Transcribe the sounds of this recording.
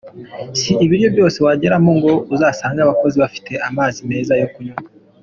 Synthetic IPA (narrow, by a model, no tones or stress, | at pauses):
siiβiɾjo̞bjo̞ːse̞waɟe̞ɾamoŋɡo̞uzaːsaːŋɡaβako̞ziβafi̥tʰe̞ʔamaːzime̞ːzajo̞kuɲa